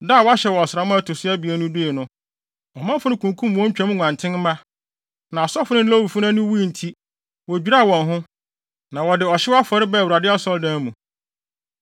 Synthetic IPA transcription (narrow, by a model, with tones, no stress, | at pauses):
da˦˨wa˦ɕɛ˨wɔ˨sɪɾa˦mã˦a˦tʰʊ˨sʊ˦ɛ˦bi˨æ˦nʊ̃˦de˦e˨nʊ̃˦ | ɔ˨mã˦fʊ˦nɪ̃˦kʰũ˨ŋ˨kʰũ˦m˨wɔ̃˦ɲ̩˦t͡ɕᶣã˦m̃˦ŋʷã˨ntʰɪ̃˦n˦mã˦ | nã˨sɔ˦fʊ˦nɪ̃˦la˦wu˨fʊ˦nã˦nʊ̃˦wu˦˨n̩˨tʰi˦ | wɔ˨d͡ʑᶣi˦ɾa˦˨wɔ̃˨nɦʊ̃˦ | nã˨wɔ˨dɪ˨ɔ˨ɕɪ˦wa˦fɔ˨ɾɪ˦bɛ˦˨wu˨ɾa˨dɪ˦a˦sɔ˦ldã˦mũ˨